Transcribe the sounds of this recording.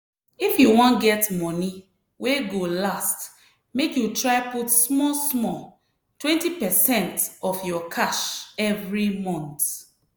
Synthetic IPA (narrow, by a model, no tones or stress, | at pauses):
ifjuwɔ̃nɡɛtmɔni | weɡolast | mekjutɹaɪputsmɔlsmɔl | twɛ̃ntipɛsɛ̃ntɔfjɔkʰaʃɛvɹimɔ̃nt